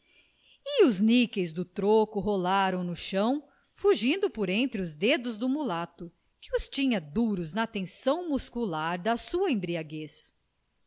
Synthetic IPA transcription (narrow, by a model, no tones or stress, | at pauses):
ɪʊznikejzd̪ʊt̪ɾokʊɦolaɾɐ̃w̃nʊʃɐ̃w̃ | fuʒĩnd̪ʊpoɾẽnt̪ɾɪʊzd̪ed̪ʊzd̪ʊmulat̪ʊ | kɪ̥ʊst͡ʃĩɲɐd̪uɾʊznɐt̪ẽsɐ̃w̃muskulaɾd̪ɐsuɐẽbɾiaɡes